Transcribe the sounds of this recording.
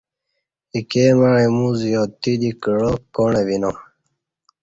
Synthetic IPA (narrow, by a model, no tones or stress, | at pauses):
ikeːmaɻemũzijot̪id̪ikɻokoɳeβino